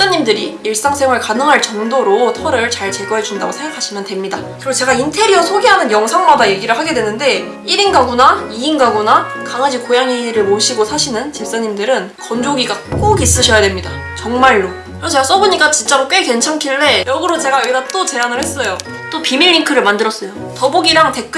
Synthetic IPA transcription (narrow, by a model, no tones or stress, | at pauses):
s͈aɲːimdɯɾiiɭs͈aŋsʰeŋwaɭkanɯŋɦaɭt͡ɕʌŋdoɾotʰʌɾɯɭt͡ɕaɭt͡ɕe̞ɡwʌɦe̞d͡ʑunda̰ɡosʰe̞ŋɡakʰaɕʰimjʌnte̞mɲidakɯɾiɡot͡ɕe̞ɡaintʰe̞ɾiʌsʰoɡiɦanɯnjʌŋsʰaŋmadaje̞ɡiɾɯɭɦaɡe̞dwe̞nɯnde̞ | iɾinɡaɡunaiːnɡaɡonakaŋad͡ʑikojaŋiɾɯɭmoɕʰiɡosʰaɕʰinɯnt͡ɕep̚s͈aɲimdɯɾɯnkʌnd͡ʑoɡiɡak͈oɡis͈ɯɕʰʌjadwemɲida | t͡ɕʌŋmaɭːo | kɯɾʌt͡ɕʰas͈ʌboɲik͈at͡ɕint͡ɕ͈aɾok͈weke̞nt͡ɕʰaŋkʰiɭːe̞jʌɡɯɾot͡ɕe̞ɡaibat͈ot͡ɕe̞anɯɭhe̞s͈ʌjo | t͈opimiɭːiŋkʰɯɾɯɭmandɯɾʌs͈ʌjo | tʌboɡiɾaŋte̞k͈ɯ